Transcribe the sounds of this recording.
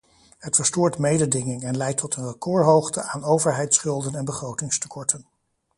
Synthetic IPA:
ɦətfəɹstʊːɹtmejdədɪŋɪŋɛnlɛjtʰːɔtənrəkʊːɹɦowχtə̰ʔaːnowvəɹɦɛjtsχɵlˠdənɛnbəχrowtɪŋstə̥kʰɔɹtʰən

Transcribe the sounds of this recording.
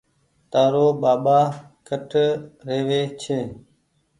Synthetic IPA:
t̪aːɾoːɓaːɓaː | kʰəʈʰɾeːʋeːt͡ʃʰeː

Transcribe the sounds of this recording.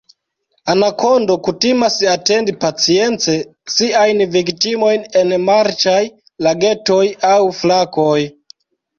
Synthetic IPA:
anakʰondo̞kutimasate̞ndipat͡sie̞nt͡se̞siajnviktimo̞jne̞nmaɾt͡ʃaj | laɡe̞to̞jawflakoj

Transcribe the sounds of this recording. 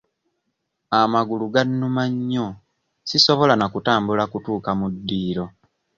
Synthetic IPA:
amaɡuluɡanːumaɲːo | siso̞βo̞lanakutaːmbulakutuːkamudːiːɾo̞

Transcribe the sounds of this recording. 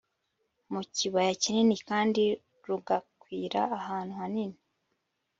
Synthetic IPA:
muciβajacininikaːndi | ɾuɡakwiːɾaːhaːn̥uhanini

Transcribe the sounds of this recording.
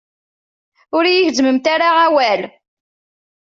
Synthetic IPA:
ʊɾijəʝzməmt̪aɾaʕawæl

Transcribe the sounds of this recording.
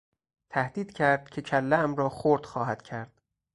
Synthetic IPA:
t̪ʰæhd̪iːd̪̥cʰæɾd̪̥cʰecʰælːæmɾɒːxoɾd̪̥xɒːɦæd̪̥cʰæɾd̪̥

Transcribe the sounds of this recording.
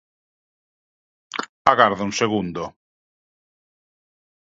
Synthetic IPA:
aɣaɾðauŋseɣund̪o

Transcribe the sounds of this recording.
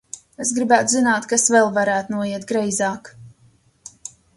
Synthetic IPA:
esɡɾibæːt̪uzinaːt̪kasvɛlˠvaɾæːt̪unuɔjiɛt̪̚ɡɾɛjzaːk

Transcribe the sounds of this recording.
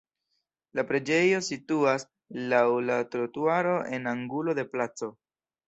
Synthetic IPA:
lapɾe̞d͡ʒe̞jo̞situas | lawlatɾotuaɾo̞ʔe̞naŋɡulo̞de̞plat͡so̞

